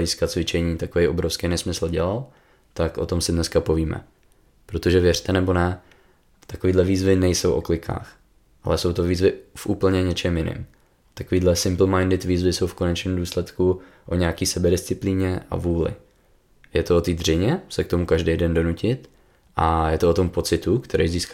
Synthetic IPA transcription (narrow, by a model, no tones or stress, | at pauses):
iːskat̪t͡svɪt͡ʃɛɲiːt̪akovɛjʔobɾofskɛjnɛsmɪsl̩ɟɛlal | t̪akʔo̞t̪o̞msɪdnɛskapoviːmɛ̰ | pɾot̪o̞ʒɛvjɛr̝̥t̪ɛnɛbo̞nɛ | t̪akoviːdlɛviːzvɪnɛjso̞wʔo̞̰klɪkʰa̰ːx | ʔalɛso̞wt̪o̞viːzvɪfʔuːpl̩ɲɛɲɛt͡ʃɛmjɪnɪ̰m | t̪akoviːdlɛsɪmpl̩majndɪt̪viːzvɪso̞wfko̞nɛt͡ʃniːmduːslɛt̪ku | ʔoɲɛakiːsɛbɛdɪst͡sɪpliːɲɛʔa̰vuːlɪ̰ | jɛt̪oot̪iːd̪r̝ɪɲɛsɛk̚t̪o̞mukaʒdejdɛndo̞nucɪt̪ | ʔajɛt̪oot̪o̞mpo̞t͡sɪt̪ukt̪ʰɛɾɛjziːsk